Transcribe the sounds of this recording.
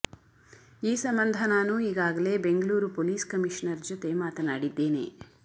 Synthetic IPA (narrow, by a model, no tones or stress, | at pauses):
iːsɐmbɐnd̪ʱɐnaːnuːiːɡaːɡɐle̞ːbe̞ŋɡɐɭuːɾupoːliːskɐmiʂɐnɐɾd͡ʒɔt̪e̞maːt̪ɐnaːɽid̪ːe̞ːne̞̰